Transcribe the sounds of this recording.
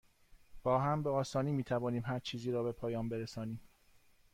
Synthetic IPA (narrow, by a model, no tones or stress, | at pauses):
b̥ɒːɦæmbeɒːsɒːniːmiːt̪ʰævɒːniːmɦæɾt͡ʃʰiːziːɾɒːbe̞pʰɒːjɒːmbeɾesɒːniːm